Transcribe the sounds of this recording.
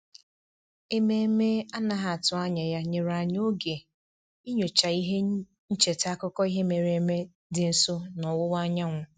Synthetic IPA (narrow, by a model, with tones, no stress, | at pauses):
e˦me˦e˦me˦a˦na˨ɦa˨a˨tʊ˦a˦ɲa˨ja˦ɲe˨ɾa˨ɲ˦o˦ɡe˨ | i˦ɲo˨t͡ʃa˨i˦ɦe˦ | n̩˦t͡ʃe˨ta˦kʊ˦kɔ˦i˦ɦe˦me˨ɾe˨˦me˦ | dɪ˨n̩˨so˦nɔ˨wʊ˦wa˦ɲa˦ŋʷʊ˨